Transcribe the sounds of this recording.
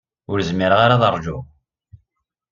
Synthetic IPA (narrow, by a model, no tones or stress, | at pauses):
ʊɾzmiɾʁaɾaðərˤʒʊ